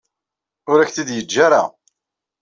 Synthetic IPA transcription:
ʊɾæçθid̪jəd͡ʒːaɾa̰

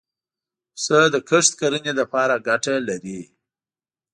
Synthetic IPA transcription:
səd̪əkʰəʂt̪kaɾənelapɑɾaɡaʈalaɾi

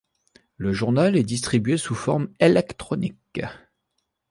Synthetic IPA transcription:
ləʒuʁnalɛd̪is̬t̪χibɥesufɔʁmelɛkt̪χɔnik

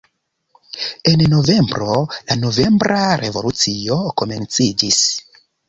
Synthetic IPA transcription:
e̞nno̞ve̞mbɾo̞lano̞ve̞mbɾʔaɾe̞vo̞lut͡sio̞ko̞me̞nt͡sid͡ʒis

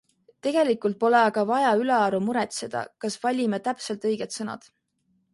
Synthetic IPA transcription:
t̪e̞ɡ̥e̞likˑult̪̚po̞le̞ɑɡ̥ɑvɑjɑyleɑɾumuɾet̪se̞d̪̥ɑ̰kɑsvɑlʲimet̪æpse̞lt̪ˑɤjɡ̥et̪sɤnɑ̰d̪̥

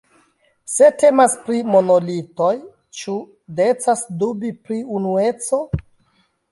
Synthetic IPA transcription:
se̞te̞maspɾimo̞nolito̞j | t͡ʃu | de̞t͡sasdubipɾiunue̞t͡so̞

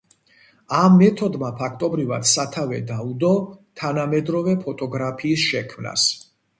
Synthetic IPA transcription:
amːɛt̪ʰɔd̪mapʰak̚ʰt̪ʼɔbɾiva̰d̪̥sat̪ʰavɛd̪aud̪ɔt̪ʰanamɛd̪ɾɔvɛpʰɔt̪ʼɔɡɾapʰiːsʃɛkʰmna̰s

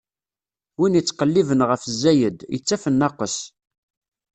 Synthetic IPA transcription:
winət͡sːqəlːivənʁəfzːæjəd̪jə̰t͡sːæfənːɑqəs

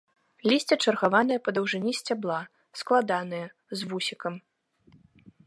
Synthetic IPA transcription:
lʲisʲt͡sʲɛt͡ʂɐrɣavan̪ɨjɐpɐd̪ɐwʐɨnʲisʲt͡sʲablˠa | sklˠad̪anɨjɐ | zvusʲikɐm

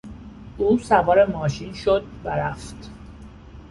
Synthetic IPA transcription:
ʔuːsævɒːɾemɒːʃinʃo̞d̪̚væɾæft̪

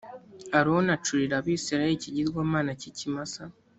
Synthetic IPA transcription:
aɾuwonat͡ʃuɾiɾaβiːsiɾajiciɟizɡwaːmaːnacicimasa

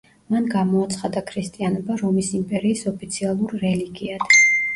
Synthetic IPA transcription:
manɡamɔat̪sʰχad̪akʰɾist̪ʼianɔbaɾɔmisimpʼɛɾiːsɔpʰit̪sʰialˠuɾːɛliɡiad̪̥

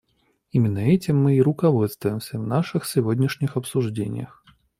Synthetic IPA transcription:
imʲɪnːəɛt͡sʲɪmːɨiɾʊkɐvɔt̪st̪vʊjɪmsʲəvnaʂɨxsʲɪvodʲnʲɪʂnʲɪxɐpsʊʐd͡zʲḛnʲɪ̰jə̰x

